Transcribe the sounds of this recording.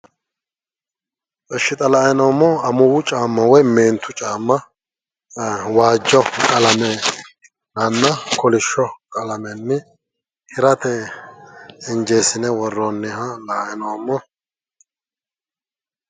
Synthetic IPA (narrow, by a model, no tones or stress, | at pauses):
pʼɛʃːɪt̪ʼɐlaːjɛnomːɔɐmʊwʊt͡ʃʼaːmːɐwɔjmeːnt̪ʊt͡ʃʼaːmːɐ | waːd͡ʒːɔkʼɐlɐmɛ | nɐnːɐkɔlɪʃːɔkʼɐlɐmɛnːɪ | hɪɾɐt̪ɛ | ɪnd͡ʒeːsɪnɛwɔrːɔnːɪhɐlaːjɛnomːɔ